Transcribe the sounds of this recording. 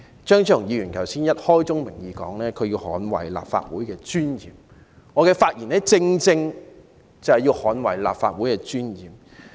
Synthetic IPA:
t͡ʃœː˥ŋt͡ʃʰːŋjiː˨˧jyː˨˩nkʰɐ˨˩wsiː˥njɐ˥t̚hɔː˥jt͡sʊ˥ŋmɪ˨˩ŋjiː˨˧kɔ̰ː˨˥ŋlɛː˥kʰɵ˨˧ɥjiː˧whɔː˨˥nwɐ̰˨˩jla̰ː˨p̚fa̰ː˧t̚wuː˨˥jkɛː˧t͡ʃyː˥njiː˨˩m | ŋɔː˨˧kɛː˧faː˧t̚jiː˨˩nɛː˥t͡sɪ˧ŋt͡sɪ˧ŋ | t͡sɐ˨whɛ˨jiː˧whɔː˨˥nwɐ̰˨˩jla̰ː˨p̚fa̰ː˧t̚wuː˨˥jkɛː˧t͡ʃyː˥njiː˨m

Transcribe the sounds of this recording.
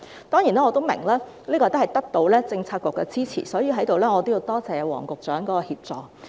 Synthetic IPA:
t̪ɔː˥ŋji˨˩naː˥ŋː˨˧t̪o˥wmɪ̰˨˩ŋlaː˥liː˥kɔː˧t̪o˥whɐ˨˩jt̪ɐ˥k̚t̪o˧wlɛː˥t͡sɪ˧ŋt͡sʰaː˧t̚kʷʊ˨˩kːɛ˧t͡siː˥t͡sʰḭː˨˩sɔː˨˥ji˨˧ɦɐ˨˥jt̪o˨wlɛː˥ŋɔː˨˧t̪o˥wji˧wt̪ɔː˥t͡sɛː˨˧wɔ̰ː˨˩ŋkʊ˨˩k̚t͡ʃœː˨˥ŋkɔ˨˥kɔː˧hiː˧p̚t͡sɔː˨k

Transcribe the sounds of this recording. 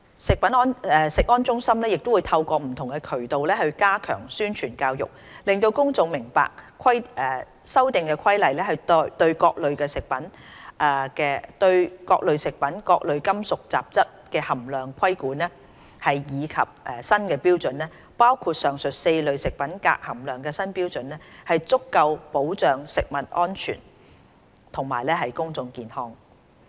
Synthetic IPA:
sɪ˨k̚pɐ˨˥nɔː˥nɛ˨sɪ˨k̚ŋɔː˥nt͡ʃʊ˥ŋsɐ˥mlɛː˥jɪ˨k̚t̪o˥wuː˨˧jt̪ʰɐ˧wkʷɔː˧m̩˨˩t̪ʰʊ˨˩ŋkɛ˧kʰɵ˨˩ɥt̪o˨wlɛː˥hɵ˧ɥkaː˥kʰœ̰ː˨˩ŋsyː˥nt͡ʃʰyː˨˩nkaː˧wjʊ̰˨k̚ | lɪ˨˩ŋt̪o˧wkʊ˥ŋt͡sʊ˨ŋmɪ˨˩ŋpa̰ː˨k̚kʰɐ˥jɛː˨˩ | sɐ˥wt̪ɪ˨ŋkɛ˧kʷʰɐ˥jlɐ˨jlɛː˥hɐ˨jt̪t̪ɵ˧ɥkɔː˧k̚lɵ˨ɥkɛː˧sɪ˨k̚pɐ˨˥nʔɛː˨˩kɛː˧t̪ɵ˧ɥkɔ̰ː˧k̚lɵ˨˧ɥsɪ˨k̚pɐ˨˥nkɔː˧k̚lɵ˨ɥkɐ˥msʊ˨k̚t͡sa̰ː˨p̚t͡sɐ˥t̚kɛː˧hɐ˨˩mlœː˨˩ŋkʰɐ˥jkuː˨˥nɛː˥ | hɐ˨jjiː˨˧kʰɐ˨p̚ʔɛː˨sɐ˥nkɛː˧piː˥wt͡sɵ˨nlɛː˥ | paː˥wkʰuː˧t̚sœː˨ŋsɵ˨t̚se˧jlɵ˨˩ɥsɪ˨k̚pɐ˨˥nka̰ː˧k̚hɐ˨˩mlœː˨ŋkɛː˧sɐ˥npiː˥wt͡sɵ˨nɛː˥hɐ˨jt͡sʊ˥kːɐ˧wpo˨˥wt͡sœː˨ŋsɪ˨k̚mɐ˨t̚ʔɔː˥nt͡ʃʰy̰ː˨˩n | t̪ʰʊ˨˩ŋmaː˨˩jlɛː˥ɦɐ˨jkʊ˥ŋt͡sʊ˨˧ŋkiː˨nhɔː˥ŋ

